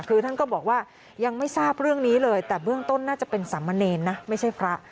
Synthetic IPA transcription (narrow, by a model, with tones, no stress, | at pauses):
kʰɯː˧t̪ʰa˥˩nkɔː˥˩bɔː˨˩k̚waː˥˩ | ja˧ŋma˥˩jsaː˥˩p̚ɾɯ˥˩əŋniː˦˥lɤː˧jt̪ɛː˨˩bɯ˥˩əŋt̪o˥˩nːaː˥˩t͡ɕa˨˩pe˧nsa˩˦mːa˧neː˧nːa˦˥ma˥˩jt͡ɕʰa˥˩jpʰɾa˦˥ʔ